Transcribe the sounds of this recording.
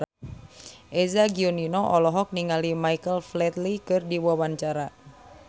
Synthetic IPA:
ʔɛzaɡiɔninɔʔɔlɔɦɔk̚niŋalimaikəlflɛt̪likɨrdiwawaɲt͡ʃaɾa

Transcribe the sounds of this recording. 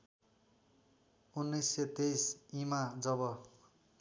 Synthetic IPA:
unːʌjset̪ejsimad͡zʌbʌ

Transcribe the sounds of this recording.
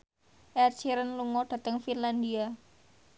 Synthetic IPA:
ʔɛrt͡ʃiɾənluŋɔd̥a̤t̪əŋfinland̪ia

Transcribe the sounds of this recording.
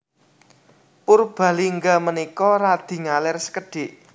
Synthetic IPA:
purb̥ä̤liŋɡamənikɔrad̪̥i̤ŋalɛrsə̥kəɖ̥e̤ʔ

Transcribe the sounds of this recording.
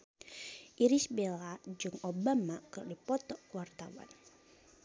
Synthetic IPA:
ʔiɾisbelad͡ʒɨŋobamakərdipɔt̪ɔkuwart̪awa̰n

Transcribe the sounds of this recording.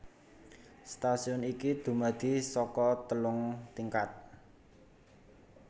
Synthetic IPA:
st̪asiɔnikid̪̥ṳmad̪̥i̤sɔkɔt̪əlʊŋt̪iŋkat̪̚

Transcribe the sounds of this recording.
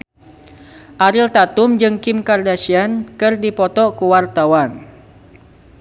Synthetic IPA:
ʔaɾɪlt̪at̪ʊmd͡ʒɨŋkɪmkardasiankɨrdipɔt̪ɔkuwart̪awan

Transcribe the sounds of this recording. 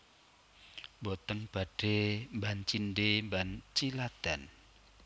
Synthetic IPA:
bɔt̪ənb̥a̤ɖ̥embant͡ʃinɖembant͡ʃilad̪̥a̤n

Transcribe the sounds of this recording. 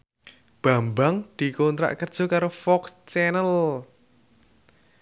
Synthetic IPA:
b̥a̤mbaŋd̪̥i̤kont̪ɾa̰ʔkərd̥ʒ̥ɔ̤kaɾofɔkst͡ʃɛnəl

